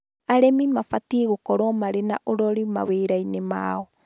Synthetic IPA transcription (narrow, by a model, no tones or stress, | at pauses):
aɾemimafatiɣokɔɾɔmaɾenaʔoɾɔɾima̰weːɾainema̰ɔ